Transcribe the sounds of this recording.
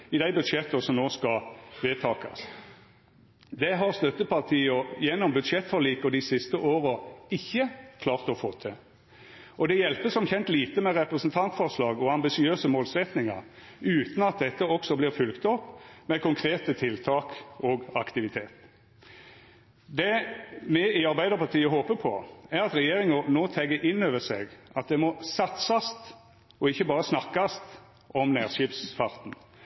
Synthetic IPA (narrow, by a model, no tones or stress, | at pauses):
ɪd̪æɪbʉd̪ʂjɛt̪ːəsɔmnoːskɑʋeːt̪ʰɑːkɑ̰s | d̪ɛɦɑʁst̪œt̪ːəpɑʁt̪ʰiːɔjɛnːɔmbʉd̪ʂjɛt̪fɔʁliːkəd̪ɪsɪst̪əʔoːʁəɪçːəkʰlɑːʁt̪ɔfoːt̪ʰɛ | ʔɔd̪ɛjɛlpəsɔmçɛnt̪liːt̪əmɛʁɛpʁəsnt̪ʰɑnt̪fɔʁslɑːɡɔɑmbɪsɪøːsəmoːlsɛt̪nɪŋɑ̰ʁ | ʉːt̪n̩ɑt̪̚d̪ɛt̪ːəɔksɔblɪʁfʉlkt̪ɔpːmɛkʊŋkʰɾeːt̪ət̪ʰɪlt̪ʰɑːkɔɡɑkt̪ɪʋɪt̪ʰeːt̪ | d̪ɛmɛɪɑɾbæɪd̪əʁpʰɑʁʈ̪ʰiːəɦoːpəpʰɔ̰æʁɑt̪ɾɛjeːʁɪŋənoːt̪ʰɛɡəʔɪnːøːʋəsɛ̰ɡɑt̪̚d̪ɛmɔsɑt̪sɑst̪ | ɔɪçːəbɑːʁəsnɑkːɑst̪ | ʔɔmnæːʁʃiːpsfɑʁt̪n̩